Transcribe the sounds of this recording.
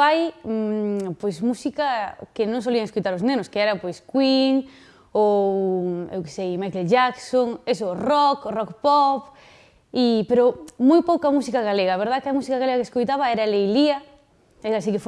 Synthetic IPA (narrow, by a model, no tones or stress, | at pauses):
aj | pojsmusikakɪnõŋsoliɐŋeskojt̪aɾoznẽnʊskeɛɾɐpojskwiŋ | o | ḛwke̥sejmajkelʒaksoŋesʊrɔkrɔkpɔp | ipeɾomojpowkɐmusikaɣaleɣaːβeɾð̞aðkɪamusikaɣaleɣɐkeskojt̪aβɐɛɾɐlejliɐ | eɾas̬ikef